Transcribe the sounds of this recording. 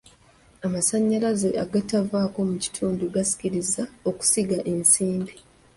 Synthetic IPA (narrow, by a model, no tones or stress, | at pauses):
amasaɲːalazeʔaɡatavaːko̞muci̥tʰuːnduɡasi̥ciɾizao̞ku̥siɡaʔe̞nsiːmbi